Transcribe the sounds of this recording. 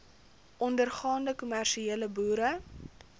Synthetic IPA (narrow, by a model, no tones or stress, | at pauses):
ʔɔndərχɑːndəkumærʃieːləbuːɾə